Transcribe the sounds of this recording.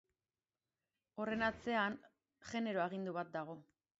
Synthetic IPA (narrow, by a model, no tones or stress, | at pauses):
o̞re̞nat͡se̞an | ʝe̞ne̞ɾoaɣ̞ind̪uβat̪̚d̪aɣ̞o̞